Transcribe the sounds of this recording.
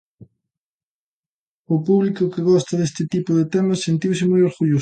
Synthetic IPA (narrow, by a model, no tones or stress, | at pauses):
ʊpuβlikʊkɪɣɔst̪ɐðest̪ɪt̪ipʊðɪt̪emɐsːent̪iwsɪmɔjoɾɣuʎo